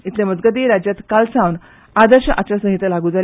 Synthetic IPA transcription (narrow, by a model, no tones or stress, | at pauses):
it̪leməd͡zɡəd̪iːɾad͡ʑjat̪kalsãʋn | ad̪əɾɕəʔat͡ɕasə̃ɦit̪əlaɡũːd͡zal